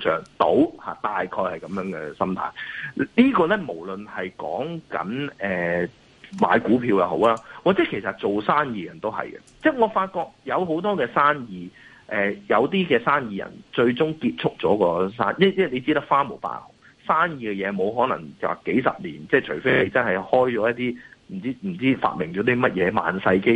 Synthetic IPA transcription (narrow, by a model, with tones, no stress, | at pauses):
t͡ʃœː˨ŋt̪o̰˨˥whaː˨t̪aː˨jkʰɔː˧jhɐ˨jkɐ˨˦mjœː˨˥ŋkɛ̰˧sɐ˥mt̪ʰa̰ː˨˩jliː˥kɔː˧lɛ˥mo˨˩wlɵ˨nhɐ˨jkɔ̰ː˨˥ŋkɐ̰˨˥nɛː˨ | ma̰ː˨˧˥jkuː˨˥pʰiː˧wjɐ˨˧who̰˨˥wlaː˥waː˨k̚t͡sɛ˨˦˥kʰe˨˩jsɐ˨t̚t͡so˨wsaː˥njiː˨˧jɐ˨˩nt̪o˥wɦɐ̰˨jkɛ̰˧t͡sɛː˥ŋɔː˨˧faː˧t̚kɔː˧k̚jɐ˨˧wɦo˨˥wt̪ɔː˥kɛː˧saː˥njiː˨ | ʔɛː˨jɐ˨˧wt̪iː˥kɛː˧saː˥njiː˨jɐ̰˨˩nt͡ʃɵ˧ɥt͡sʊ˥ŋkiː˧t̚t͡sʰʊ˥k̚t͡ʃɔː˨˥kɔː˧sa̰ː˥njɛ˥˩t͡sɛː˥˩le˨˧jt͡siː˥t̪ɐ˥k̚faː˥mo˨˩wpa̰ː˧˥˩hʊ˨˩ | saː˥njiː˨˧kɛ˧jɛː˨˧mo˨˧wɦɔː˨˥nɐ̰˨˩ŋ̰˨˩ke˨˥jsɐ̰˨p̚lḭː˨˩nt͡sɛː˥t͡ʃʰɵ˨˩fe˥jle˨˧jt͡sɐ˥nɦɐ˨jhɔː˥jt͡ʃɔː˨˥jɐ˥t̚t̪iː˥m̩˨˩t͡siː˥m̩˨˩t͡siː˥fa̰ː˧t̚mɪ˨˩ŋjy˨˧˥t̪i˥mɐ˥t̚jɛː˨˧ma̰ː˨nsɐ˧jke˥j